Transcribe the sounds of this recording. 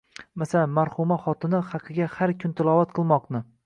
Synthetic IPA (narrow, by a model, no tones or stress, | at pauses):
masalanmaɾhʊmaχɒt̪ɪnɪχɑqʰɨɡʲahaɾkʰʲʊnt̪ʰɪlˠɒvat̪qʰɨlˠmɒqnɪ